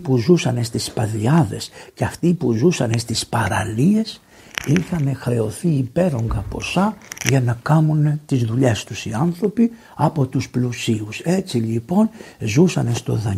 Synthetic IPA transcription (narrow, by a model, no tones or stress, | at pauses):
puzusɐne̞st̪ispɐðiɐðe̞̰sceɐft̪ipuzusɐne̞st̪ispɐɾɐ̰lie̞s | ixɐne̞xɾe̞o̞θiːpe̞ɾo̞ŋɡɐpo̞sɐʝɐnɐkɐmunet̪izðuʎe̞st̪usiɐnθɾo̞pi | ɐpo̞t̪usplusiuse̞t͡silipo̞nzusɐne̞st̪o̞̰ðɐ